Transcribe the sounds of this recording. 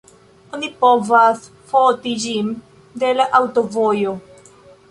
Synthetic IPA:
onipovas | fotid͡ʒin | de̞laʔawto̞vojo

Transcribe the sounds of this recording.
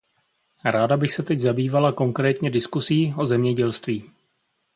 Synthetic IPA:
ɾaːdabɪxsɛt̪ɛɟzabiːvalako̞ŋkɾɛːt̪ɲɛdɪskusiːʔo̞zɛmɲɛɟɛlst̪viː

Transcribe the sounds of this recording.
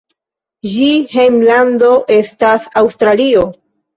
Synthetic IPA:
ʒihejmlando̞ʔe̞stasawstɾalio̞

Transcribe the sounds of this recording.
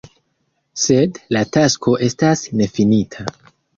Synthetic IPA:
se̞dlatasko̞ʔe̞stasne̞finitʰa

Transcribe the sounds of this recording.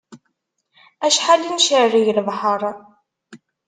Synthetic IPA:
æʃħalinʃəriʝlvħəɾˤ

